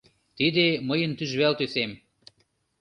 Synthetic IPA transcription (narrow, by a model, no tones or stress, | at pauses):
t̪id̪eməjənt̪yʒβelt̪øsem